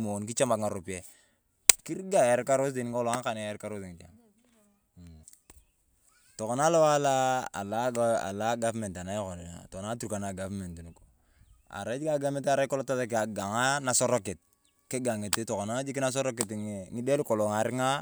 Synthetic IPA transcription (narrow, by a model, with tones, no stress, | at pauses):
mo˨n˨ki˦t͡ʃa˦ma˨kŋa˨ɾo˨pi˨e˦ | ki˦ɾɡa˦˨je˨ɾka˦ɾo˦s̬di˨n˦o˦la˦ŋ˦ka˨na˨je˦ɾka˦ɾo˦sŋi˨d͡ʒa̰˨ŋ˨ | to˨ko˨na˦lo˦wa˦la˦a̰˨la˦a̰˨la˦ɡa˦vme˨nta˨na˦jko˨n˨na̰˨to˨kna˦tu˦ɾka˨na˨ɡa˨vme˨nti˨nu˨ko̥˨ | a̰˨ɾa˦d͡ʒi˦ɡa˦ɡa˦me˦ta˦ɾa˦ko˦lo˦ta˦ta˦k̬a˨ɡa˨ŋa˦na˨so˦ɾo˦ke˨t̚ | ke˦ɡa˨ŋe˨te˦to˨ko˨na˦d͡ʒi˦ki˦na˦s̬o˦ɾo˦k̬e˨tŋi˦de˦lko˨lo˨ŋa˨ɾi˦ŋa˦